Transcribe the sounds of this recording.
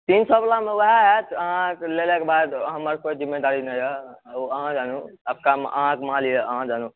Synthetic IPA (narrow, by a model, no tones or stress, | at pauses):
t̪insɔblamewəɦɛɦɛt̪əɦãklelɛkebad̪ɦəməɾkoid͡ʒimːed̪aɾinəjəəɦãd͡ʒanuəb̚kam̰ʔəɦãkmalijəʔəɦãd͡ʒanu